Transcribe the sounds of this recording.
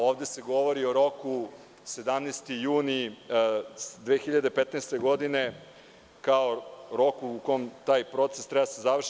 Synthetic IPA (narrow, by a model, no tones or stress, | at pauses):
oːʋd̪e̞se̞ɡo̞ʋo̞ɾioɾo̞ku | se̞d̪amnest̪ijuːni | d̪ʋeːxiʎad̪epet̪nɛst̪e̞ɡo̞d̪ine | kaoɾo̞kuːko̞jmt̪aːjpɾo̞t̪sest̪ɾɛbasezaʋr̩ʃ